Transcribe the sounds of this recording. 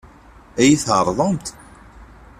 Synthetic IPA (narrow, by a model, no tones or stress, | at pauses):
æjiθəɾˤðˤəmt̪